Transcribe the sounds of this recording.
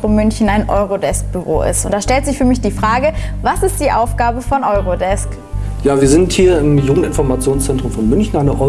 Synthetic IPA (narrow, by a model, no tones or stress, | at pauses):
ʁʊmʏnçn̩aɪnʔɔʏʁodɛsk̚b̥yʁo̰ːʔɪ̰stʊntd̥aːʃtɛltz̥ɪçfyːɐmɪçd̥iːfʁ̥aːɡəvasɪst̚d̥iːʔaʊfɡ̥aːbəfɔnʔɔʏʁodɛsk | jaːviːɐzɪnthiːɐɪmjuːɡŋ̩tɪnfɔɐmat͡sjoːnst͡sɛntʁ̥ʊmfɔnmʏnçn̩aɪnəʔɔ